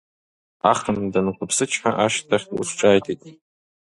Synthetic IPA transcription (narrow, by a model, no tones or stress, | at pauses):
aχəndanχʷʊpʰsɨt͡ʃʰħaʔaʃtʰaχʲṵʂʰʈ͡ʂʼaːjtʰitʼ